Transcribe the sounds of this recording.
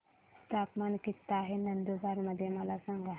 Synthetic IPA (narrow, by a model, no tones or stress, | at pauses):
t̪aːkmankit̪ːaɦenɐnd̪ubaɾməd̪ʱjemalasaŋɡa